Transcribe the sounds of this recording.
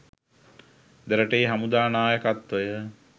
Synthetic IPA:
d̪eɾəʈejɦamud̪aːnaːjəkat̪ʋəjə

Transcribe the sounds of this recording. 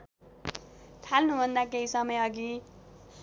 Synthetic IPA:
t̪ʰalnubʱʌnd̪ak̬eɦisʌmʌjʌɡi

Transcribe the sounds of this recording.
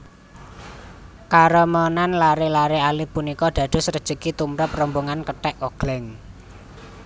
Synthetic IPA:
kaɾɔmɔnanlaɾelaɾealipunikɔɖ̪̥ä̤d̪̥ʊ̤srəd̥ʒ̥əkit̪umɾəp̚rɔmboŋankəʈɛʔoɡ̥lɛŋ

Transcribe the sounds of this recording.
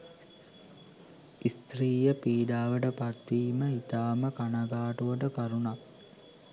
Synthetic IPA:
ist̪ɾiːjəpiːɖaːʋəʈəpat̪ʋiːməit̪aːməkanaɡaːʈuʋəʈəkaɾunak

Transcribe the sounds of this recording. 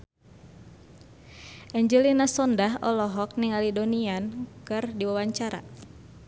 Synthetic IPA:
ʔɛɲd͡ʒəlinasɔndaɦɔlɔɦɔk̚niŋalidoniankɨrdiwawaɲt͡ʃaɾa̰

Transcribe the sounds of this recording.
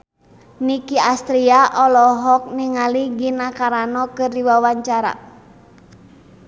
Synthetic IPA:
nikiast̪ɾiaʔɔlɔɦɔk̚niŋaliɡinakaɾanɔkɨrdiwawaɲt͡ʃaɾa̰

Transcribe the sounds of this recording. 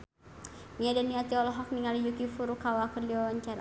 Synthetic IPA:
niadanːiat̪iɔlɔɦɔkniŋalijukifuɾukawakərliɔɲt͡ʃaɾa̰

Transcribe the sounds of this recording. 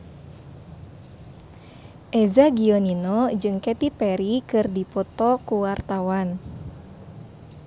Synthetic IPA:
ʔɛzaɡiɔninɔd͡ʒɨŋkɛt̪ipɛɾikɨrdipɔt̪ɔkuwart̪awan

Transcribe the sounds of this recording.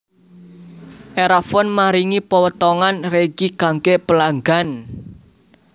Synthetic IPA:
ʔeɾafɔnmaɾiŋipəwət̪ɔŋanreɡ̥ikaŋkeʔpəlaŋɡan

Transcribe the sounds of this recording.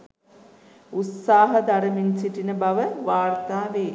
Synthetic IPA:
ut̪saːɦəd̪aɾəmensiʈinəbaʋəʋaːrt̪aːʋeː

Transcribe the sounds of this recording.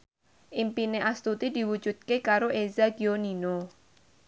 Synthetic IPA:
ʔimpineʔast̪ut̪id̪̥i̤wud̥d͡ʒ̥ṳd̪̚kekaɾoʔezaɡ̥ionino

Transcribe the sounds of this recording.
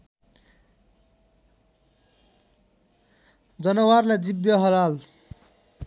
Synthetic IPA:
d͡zʌnʌwarlad͡zibjʌɦʌlal

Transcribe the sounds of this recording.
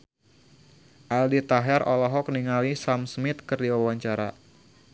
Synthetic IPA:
ʔaldit̪aɦɛrɔlɔɦɔkniŋalisamsmɪt̪kərdiwawaɲt͡ʃaɾa̰

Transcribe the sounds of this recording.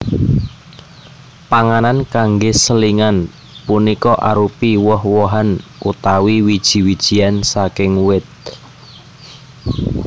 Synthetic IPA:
paŋanankaŋɡesəliŋan | punikɔʔa̰ɾupiwɔhwɔɦanʔut̪awiwid̥ʒ̥i̤wid̥ʒ̥i̤ansakɪŋwɪt̪̚

